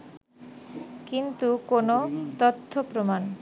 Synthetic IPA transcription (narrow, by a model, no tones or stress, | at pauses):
kint̪ukonot̪ot̪ʰːopɾoman